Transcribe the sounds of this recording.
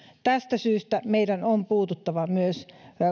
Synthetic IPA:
t̪æst̪æsyːst̪æmeidænompuːt̪ut̪ːɑʋɑmyøs

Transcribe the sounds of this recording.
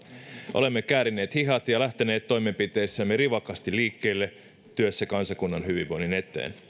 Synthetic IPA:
ʔo̰le̞mːekæːɾinːe̞ːt̪hiɦɑt̪jɑlæht̪eneːt̪to̞jmempit̪e̞ːsːæmːeɾiʋɑkɑst̪ilːiːkːe̞ːlːe | t̪yøsːækɑnsɑkunːɑnɦyʋiʋʋo̞jnine̞t̪ːˑḛːn

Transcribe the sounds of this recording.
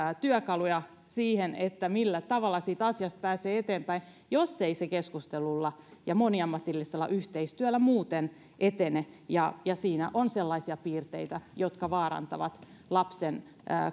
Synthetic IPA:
t̪yœkɑlujɑ | siːhenet̪ːæmilːæt̪ɑʋɑlːˑɑsiːt̪ɑsiɑst̪̚pæːseːet̪eːmpæin | josːeisekeskust̪elulːɑjɑmoniɑmːɑt̪ilːiselːɑ̰ʔyht̪eist̪yælːæmuːt̪en | ʔet̪enejɑjɑsiːnæ̰ʔonselːɑisiɑpiːrt̪eit̪æjot̪kɑʋɑːɾɑ̰nt̪ɑ̰ʋɑt̪ | lɑpsenː

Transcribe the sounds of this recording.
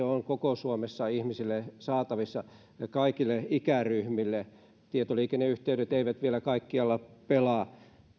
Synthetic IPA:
eoŋkokosuomesːɑihmisilːesɑːt̪ɑʋisːɑ | ɑkɑikilːeikæryhmilːe | t̪iet̪oliːkeneyht̪eyɾet̪eiʋæt̪ʋielækɑikːiɑlːɑpelɑˑ

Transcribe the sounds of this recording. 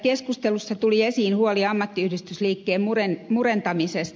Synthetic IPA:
keskust̪elusːɑt̪uliesiːnhuoliɑmːɑt̪ːiyhdist̪ysliːkːeːmmurenmurent̪ɑmisest̪

